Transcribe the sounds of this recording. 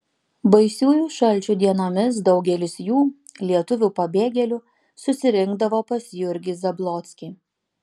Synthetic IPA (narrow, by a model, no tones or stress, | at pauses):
bɐɪsʲuːjuːʃɐlʲˑt͡ʃʲuːd̪ʲiɛnoːmʲɪs̬d̪ɒʊɡʲɛlʲɪsjuːlʲiɛt̪ʊʋʲupɐbʲeːɡʲɛlʲuː | sʊsʲɪɾʲɪŋɡ̚d̪ɐʋoːpɐsjʊɾʲɡʲɪzɐblˠɔːt̪ʲsʲkʲi